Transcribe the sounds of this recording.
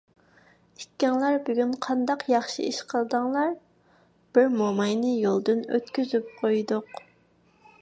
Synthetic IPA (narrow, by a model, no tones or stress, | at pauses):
i̥ːɛŋlˠæɾbyɡʲynqʰɑnd̪ɑqʰjɑχʃḭiʃqʰəlˠd̪əŋlˠɑɾ | b̥ɪɾmomɑjnɨjolˠd̪ɨnø̰t̪kʲyzyp̚qʰojd̪ʊq